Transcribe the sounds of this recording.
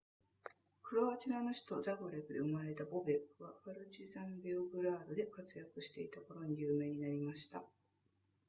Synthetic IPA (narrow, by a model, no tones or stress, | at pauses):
kɯ̟ɾoat͡ɕinanoçi̥t̪o̞d̪aɡoɾe̞bɯ̟d̪e̞ɯ̟maɾe̞t̪abo̞be̞kːɯ̟βaɸaɾɯ̟t͡ɕizãmbʲeoɡɯ̟ɾaːd̪o̞d̪e̞kat͡sɨjakɯ̟ɕi̥t̪e̞it̪ako̞ɾo̞ɲ̟ijɯːme̞ːɲ̟inaɾʲimaɕi̥t̪a